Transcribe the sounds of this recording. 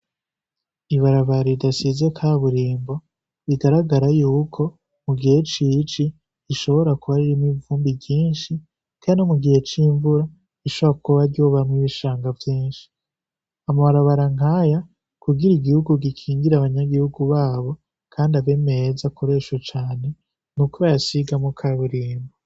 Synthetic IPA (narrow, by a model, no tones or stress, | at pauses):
iβaɾaβaɾiidasize̞kʰaːβuɾiːmbo̞ | βiɡaɾaɡaɾajuːkʰo̞ | muɡihe̞t͡ʃit͡ʃiː | ʃo̞βo̞ɾakuβaɾiɾinivuːmbibjiːnʃi | kaːndinomuɡihe̞t͡ʃiːɱvuɾa | iʃoβoakuβaɾɟoːβamwiβiʃaːŋɡavjiːnʃi̥ | amaβaɾaβaɾaŋ̥haja | kuɡiɾiɡihuɡuɡikʰiːŋɡiɾaβaɲaɡihuɡuβaːβo̞ | kʰaːndiaβe̞meezakʰo̞ɾe̞ʃwet͡ʃaːne̞ | nukuβajasiɡamukʰaβiɾiːmbo